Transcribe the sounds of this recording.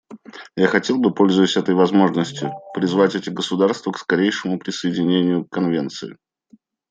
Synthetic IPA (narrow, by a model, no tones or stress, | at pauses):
jaxɐtʲe̞lˠbɨpo̞lʲzʊjɪsʲɛt̪əjvɐzmo̞ʐnəsʲtʲjʊpɾʲɪzvatʲɛtʲɪɡəsʊd̪arst̪vəkskɐɾʲejʂɨmʊpɾʲɪsəjɪdʲɪnʲenʲɪjʊkkɐnvʲent̪sɨɪ̰